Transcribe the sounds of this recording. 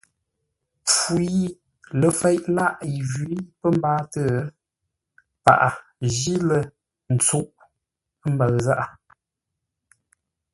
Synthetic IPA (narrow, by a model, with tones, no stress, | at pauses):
p͡fu˨ji˦ | lə˨fe˦jʔla˦ʔi˨ɣi˦pə˦m˦baː˦tə˦˨˦ | pa̰˨ʔa˨ | ʒi˦lə˨ | n̩˨t͡su˦ʔ | m˦bə˨ɣza˦ʔa˨